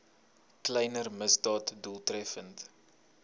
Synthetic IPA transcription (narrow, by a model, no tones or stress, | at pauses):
klɛjnərməsdɑːtdulˠtrɛfənt